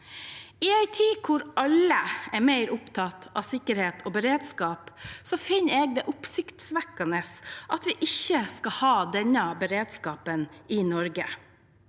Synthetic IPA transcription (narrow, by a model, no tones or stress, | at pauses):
ɪæɪt̪ʰiːkʰʊɾɑləæɾmæɪɾʊpt̪ʰɑt̪ɑ̰sɪkːəɾheːt̪ʰoːbəɾeːd̪skɑːpsɔfɪnːəeːɡ̚d̪ɛʔʊpsɪkt̪sʋækːɑnəsʔɑt̪ʋɪʔɪçːəskɑhɑːd̪ɛnəbəɾeːd̪skɑːpəninɔɾɡə